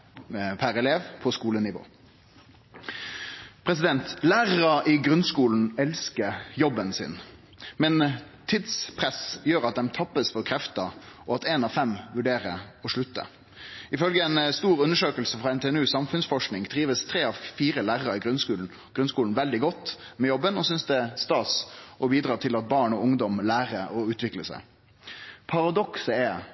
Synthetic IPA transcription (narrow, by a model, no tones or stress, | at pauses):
pʰæɾɛleːʋpʰɔskuːlənɪʋo̰ː | pʰɾɛsɪd̪ɛnt̪læːʁəʁəʔɪɡʁʉnskuːln̩ɛlskəjɔbːənsɪ̰n | mɛn | t̪ʰːid̪spʰʁɛsjøːɾɑt̪̚d̪ɛmt̪ʰɑpːəsfɔʁkʰɾɛft̪əɔɑt̪ɛnɑʋfɛmʋʉɖeːʁəɔʂɭʉt̪ːə̰ | ɪfœlɡəɛɪnst̪uːɾʉnːəʂøːkəlsəfʁɑːɛnt̪ʰɛnʉːsɑmfʉnsfɔʂknɪŋt̪ʰɾiːʋəst̪ʰɾeːɑʋfiːɾəlæːʁəɾəɪɡɾʉnskʉːln̩ | ɡ̥ɾʉnskuːln̩ʋɛld̪ɪɡɔt̪ː | mɛjɔbːənɔsʏnsd̪ɛɛst̪ɑːsʔɔbiːd̪ɾɑːt̪ʰɪlɑt̪̚bɑːɳɔʊŋd̪ɔmlæːʁəɔʉːt̪ʰʋɪkləsæ̰ɪ | pʰɑɾɑd̪ɔksəɛ